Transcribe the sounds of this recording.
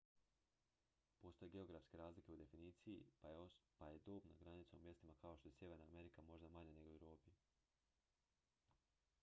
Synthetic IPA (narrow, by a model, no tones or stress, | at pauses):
po̞ːst̪o̞jeɡe̞o̞ɡɾafske̞ɾaːzlike̞ud̪e̞finiːt̪siji | paje̞d̪oːbnaɡɾanit̪saumje̞st̪imakao̞ʃt̪o̞je̞sje̞ʋe̞ɾnaːme̞ɾikamo̞ʒd̪amaɲane̞ɡouwɾo̞ːpi